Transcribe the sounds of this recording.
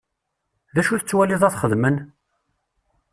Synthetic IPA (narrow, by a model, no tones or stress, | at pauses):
ðæʃuθət͡sːwæliðˤæθχəðmən